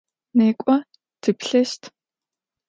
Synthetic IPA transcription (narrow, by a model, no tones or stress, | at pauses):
neːkʷʼɔ | tʰɨpɬɛʃtʰ